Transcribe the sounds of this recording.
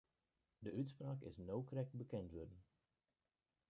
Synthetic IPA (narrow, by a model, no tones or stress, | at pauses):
dəʔytspraːkɪ̰snowkrɛk̚tbəkɛntʋødən